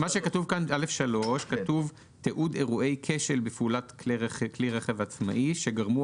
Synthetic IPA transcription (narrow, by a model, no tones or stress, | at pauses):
maʃekatuvkanalefʃalo̞ʃkat̪uv | teʔude̞ʁuʔe̞jkʰe̞ʃelbefulatklʁekliʁeχevat͡sma̰ʔiʃeɡaʁmu